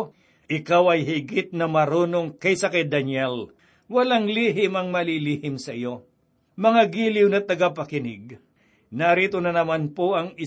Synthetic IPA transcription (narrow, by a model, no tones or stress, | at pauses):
ʔɪkawɐjɦɪɡɪt̪̚nɐmɐɾoːnoŋkɐjsakɐjd̪ɐnɛl | wɐlaŋliːɦɪmɐŋmɐliliːhɪmsɐʔɪjo̞ | mɐŋaɡiːlɪwnɐt̪ɐɡapɐkɪnɪɡ̚ | nɐɾiːt̪onɐnɐmanpoʔɐŋɪ